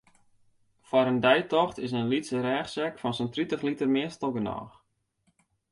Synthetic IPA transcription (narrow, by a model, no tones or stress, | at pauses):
fɔɾəndɛjtɔχtɪs̬ənlisəɾɛːχsɛkfɔnsəntritəχlitərmɪəstɔɡənɔ̰ːx